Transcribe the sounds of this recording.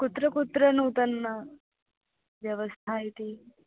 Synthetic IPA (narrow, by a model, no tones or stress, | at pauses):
kut̪ɾəkut̪ɾənut̪ənːa | ʋjəʋəst̪ʰaɦit̪iː